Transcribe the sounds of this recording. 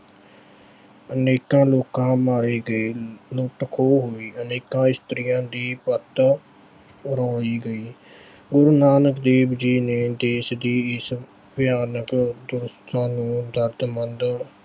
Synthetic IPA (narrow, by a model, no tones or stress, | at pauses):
əneːkãːloːkãːmaːɾeːɡəeːloːʈəkʰoːɦoːiːəneːkãːɪst̪ɾɪjãːd̪iːpət̪ | ɾɔːɽiːɡəiː | ɡʊɾnaːnəkd̪eːbd͡ʒiːneːd̪eːsd̪iːɪs | bɪjaːnəkd̪ʊɾst̪ãːnũːd̪əɾd̪mənd̪